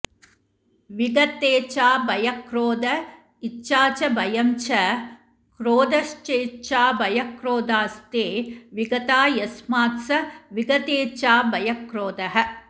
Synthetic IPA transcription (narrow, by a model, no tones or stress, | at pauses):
ʋiɡɐt̪eːt͡ʃaːbɐjɐkɾoːd̪ɐ | itːʃaːt͡ʃɐbɐjɐmt͡ʃɐ | kɾoːd̪ɐʃt͡ʃeːt͡ʃaːbɐjɐkɾoːd̪aːst̪eːʋiɡɐt̪aːjɐsmaːt̪sɐʋiɡɐt̪eːt͡ʃaːbɐjɐkɾoːd̪ɐɦɐ̆